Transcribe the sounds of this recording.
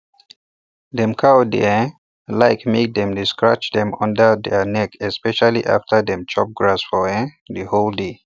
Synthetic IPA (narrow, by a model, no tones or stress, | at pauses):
dɛ̃mkʰawdḛɛ̃ | laɪkmek̚d̪ɛ̃mdiskɹat͡ʃdɛ̃mɔ̃ndədɛnɛkɛspɛʃaliʔa̰ftʰədɛ̃mt͡ʃɔp̚ɡɹasfɔɛ̃ | dəholde